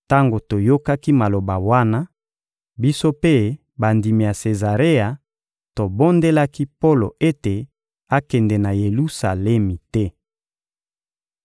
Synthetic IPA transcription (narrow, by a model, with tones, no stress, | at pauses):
ta˦ŋɡo˨to˨jo˦ka˦ki˦ma˨lo˨ba˨wa˦na˦ | bi˦so˦pe˦ | ba˨ndi˨mi˨ja˨se˨za˨ʁe˦a˨ | to˨bo˦nde˦la˦ki˦po˦lo̰˨e˦te˨ | a˦kɛ˨ndɛ˨na˨je˨lu˦sa̰˨lɛ˦mi˨tɛ˦